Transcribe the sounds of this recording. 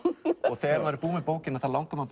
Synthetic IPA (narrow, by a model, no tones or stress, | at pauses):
ɔɣθɛɾmaɾɪpuːmɛpoːwcɪnaθalawŋkama